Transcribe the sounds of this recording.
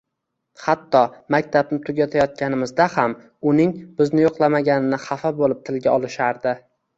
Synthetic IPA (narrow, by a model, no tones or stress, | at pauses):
hat̪ːɒmakʲt̪ʰab̚nɪt̪ʰʊɡʲat̪ʰajɒt̪̚kʲʰanɪmɪzd̪aham | ʊnɪŋbɪznɪjoqlˠamaɡʲanɪnɪχɑfabolɪp̚t̪ʰɪlɡʲaɒlˠɪʃaɾd̪ɪ